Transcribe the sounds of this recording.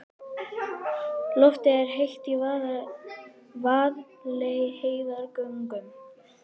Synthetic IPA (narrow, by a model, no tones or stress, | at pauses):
lɔft̪ɪɛɾ̥ɦejht̪i | vaːð | lejɪheːjðaɾkœŋkʏm